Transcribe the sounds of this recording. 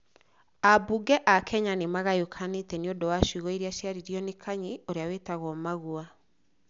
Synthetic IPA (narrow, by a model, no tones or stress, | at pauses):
abuɡɛʔakʰɛɲanemaɣajokʰanetɛneondowaʃiɣɔiɾeaʃiaɾiɾjɔnekʰaɲioɾeaweːtaɣɔmaɣua